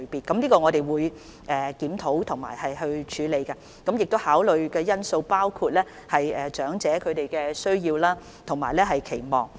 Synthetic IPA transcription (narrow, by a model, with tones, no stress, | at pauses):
piː˨˩t̚kːɐ˨˥mliː˥kɔː˧ŋɔː˨˧ɾe˨jwuː˨˧j | ʔɛː˨kiː˨˥mt̪ʰo˨˥wt̪ʰʊ˨˩ŋma̰ː˨˩jhɐ˨jɦɵ˧ɥt͡ʃʰyː˨˧le˨˧jkɐ˧ | kɐ˨˥mjɪ˨k̚t̪o˥whaː˨˥wlɵ˨ɥkɛː˧jɐ˥nso˧wpaː˥wkʰuː˧t̚lɛː˥ | hɐ˨jɛː˨˩t͡ʃœː˨˥ŋt͡sɛː˨˥kʰɵ˨˧ɥte˨jkɛː˧sɵ˥ɥjiː˧wlaː˥ | t̪ʰʊ˨˩ŋmaː˨˩jlɛː˥ɦɐ˨jkʰe˨˩jmɔː˨˩ŋ